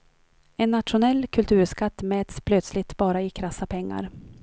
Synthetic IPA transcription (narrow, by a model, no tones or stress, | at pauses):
ɛnːat̪ɧʊnɛlːkʰɵlt̪ʰʉ̟ːɾʂkat̪ːmɛːt̪spʰlœt̪slɪt̪bɑːɾaɪkʰɾasːapʰɛŋːa̰ɾ